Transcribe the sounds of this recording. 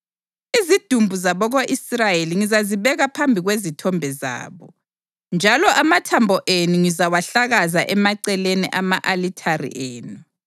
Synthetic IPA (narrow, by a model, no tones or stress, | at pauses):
izid̥ʱumbʱuzaβɔɣoʔisrajeliŋizaziβɛɣapʰambʱiɣwezitʰɔmbʱɛza̰ːβɔ | nd͡ʒʱalɔʔamatʰambʱɔʔenuŋizawaɬaɣazaʔɛmaǀɛleniʔamaʔalitʰarḭʔeːnu